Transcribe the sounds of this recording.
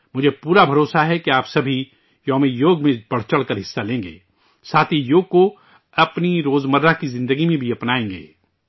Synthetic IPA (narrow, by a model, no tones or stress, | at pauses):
mʊd͡ʒʱepuːɾabʱɐɾoːsaɦɛkeaːpsɐbʱi | jɔːmejoːɡmẽb̥ɐɽ̤t͡ʃɐɽkəɾɦɪsːalẽːŋɡḛː | saːt̪ʰijoːɡ̚ko | ɐpniɾoːzməɾakizɪ̃nd̪əɡimẽbʱiɐpnaːẽːŋɡḛː